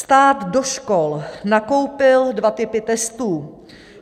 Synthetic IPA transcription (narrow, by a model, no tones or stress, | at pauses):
st̪aːd̪doʃkolnako̞wpɪldvat̪ɪpɪt̪ɛst̪uː